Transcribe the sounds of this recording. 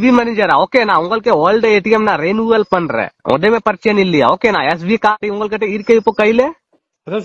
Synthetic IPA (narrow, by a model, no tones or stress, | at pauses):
bʱimɛnid͡ʒəɾaoːkenaːʊ̃ŋɡəlkeoːlɖeeːʈiemnaɾeːnuəlpənɾɛ̰õ̰ːd̪emẽpɐɾt͡ʃenilːia̰oːkenaɛs̬bʱikaːʈiʊ̃ŋɡəlkɐʈeiɾkeipokɐile